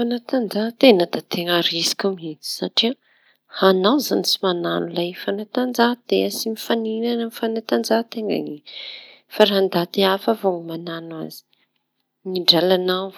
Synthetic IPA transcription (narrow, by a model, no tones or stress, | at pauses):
fanat̪and͡zat̪enəd̪̥at̪eŋaɾisi̥kʲumeti̥saʈ͡ʂia | hanawzanit͡simananulaifanat̪and͡zat̪easimifaninanəmifanat̪and͡zat̪eŋa̰ŋi | faɾaand̪at̪eafavoŋmananwa̰z̥i̥ | ŋiɳɖ͡ʐalanaw